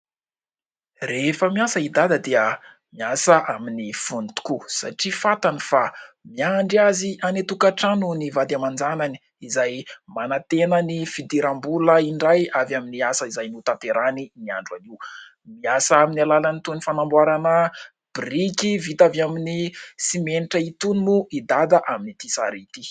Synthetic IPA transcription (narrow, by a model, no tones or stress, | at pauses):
refəmiasəid̪ad̪ad̪eə | miasəʔaminifunt̪u̥kusa̰ʈ͡ʂifat̪anifamiaɳɖ͡ʐiazianet̪ukaʈ͡ʂanunivad̪amand͡zanani̥ | izajmanat̪enənifid̪iɾambuləiɳɖ͡ʐajavjaminiasəizajnut̪ap̪eɾaninia̰ɳɖ͡ʐwa̰liw | miasəaminialalanit̪unifanambwaɾanə | b̥rikivit̪avaminisimeniʈ͡ʂəit̪unimuid̪ad̪aʔaminit̪isa̰ɾit̪i